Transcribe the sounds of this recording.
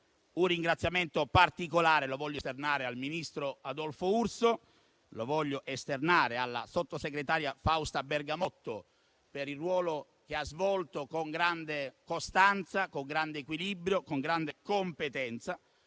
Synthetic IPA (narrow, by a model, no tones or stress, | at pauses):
unrːiŋɡɾat̪sːjament̪opart̪ikolaːɾelovɔʎːost̪ernaːɾealminist̪ɾoad̪ɔlfourso | lovɔʎːoʔest̪ernaːɾealːa̰sot̪ːoseɡɾet̪aːɾjafawst̪aberɡamɔt̪ːo | peɾilrːwɔːlo | keazvɔlt̪okoŋɡɾand̪ekost̪ant̪sakoŋɡɾand̪eːkwilibɾjokoŋɡɾand̪ekompet̪ɛnt̪sa